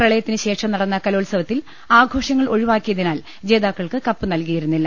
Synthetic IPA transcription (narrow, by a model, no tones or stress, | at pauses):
rɐɭɐjɐt̪ːinɨɕe̞ːʂɐmnɐɽɐnːɐkɐloːlsɐʋɐt̪ːil | aːɡʱo̞ːʂɐŋːɐɭo̞ɻiʋaːkːijɐðinaːl | d͡ʑe̞ːðaːkːɐɭkɨkɐpːɨnɐlkijiɾunːilːɐ